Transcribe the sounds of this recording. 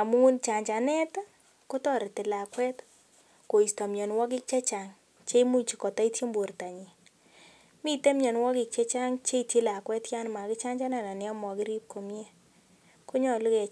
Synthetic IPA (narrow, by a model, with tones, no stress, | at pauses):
a˨mu˦nt͡ʃa˨ɲt͡ʃa˨nɛ˦t | ko˦tɔ˦˨ɾtɪ˨la˨kwɛ˦t | ko˨i˨stɔ˨mjɔ˨nwɔ˦k̬ɪ˦k̚t͡ʃe˦t͡ʃa˨ŋ | t͡ʃe˦i˦mu˦ɲt͡ʃi˨kɔ˨ta˦i˦tje˦mbo˨rta˨ɲi˨ | mi˦te˦mjɔ˨nwɔ˦kɪ˨k̚t͡ʃe˦t͡ʃa˦ŋt͡ʃe˦i˨tje˦la˨kwɛ˦tja˦nma˨kɪ˦t͡ʃa˦ɲd͡ʒa˦na˨na˨nɛ˨ɔ˦mɔ˨kɪ˦ɾi˦p̚ko˨mje˦ | ko˦ɲɔ˦˨lu˦kɛ˨